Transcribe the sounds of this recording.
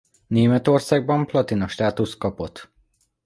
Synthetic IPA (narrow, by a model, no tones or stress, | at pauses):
neːmɛt̪o̞rsaːɡ̚bɒmplɒt̪inɒʃt̪aːt̪ust̪̚kɒpo̞t̪ː